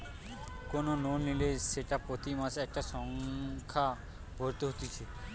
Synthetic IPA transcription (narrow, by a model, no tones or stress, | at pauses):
konononnileʃeʈapɾot̪imaseɛk̚ʈaʃɔŋkʰa | bʱoɾt̪eɦot̪it͡ʃʰe